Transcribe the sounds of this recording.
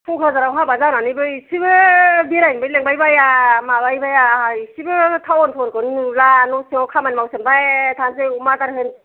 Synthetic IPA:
pʰuŋkʰɯzaɾawɦabazawnanɯjbɯjsibɯbeɾajnbɯjleŋbajbajamabajbajaɦajsibɯtʰawɔnpʰɔɾkɯnlanɔsiŋawkʰamanmawsembajetʰans̬eumataɾɦɯn

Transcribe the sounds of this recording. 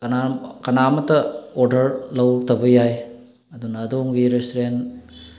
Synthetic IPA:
kɐnakɐnamɐtɐoɾdɐɾlɐwɾɐk̚tʰɐbɐjaj | ɐdunɐːdoŋɡiɾestoɾen

